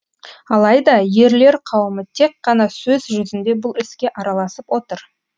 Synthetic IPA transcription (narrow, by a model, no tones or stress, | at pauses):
ɑlˠɑjd̪ɑje̞ɾle̞ɾqʰɑwəmət̪ʰe̞k̚qːɑnɑsɵzʒʏzɪnd̪e̞bʊlˠɪskʲe̞ʔɑɾɑlˠɑsəpwo̞t̪əɾ